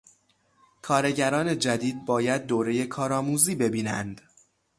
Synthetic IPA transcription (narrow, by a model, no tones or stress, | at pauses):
kʰɒːɾe̞ɟæɾɒːne̞d͡ʒæd̪iːd̪̚bɒːjæd̪̚ːoːɾe̞je̞kʰɒːɾɒːmuːziːbe̞biːnænd̪̥